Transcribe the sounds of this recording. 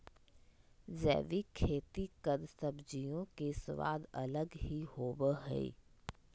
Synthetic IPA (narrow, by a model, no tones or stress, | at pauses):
zɛ̰ːʋikʰeːt̪ikəd̪səbd͡ʒijõkesʋa̰ːd̪ələɡɦiɦoːbəɦɛ̰ḭ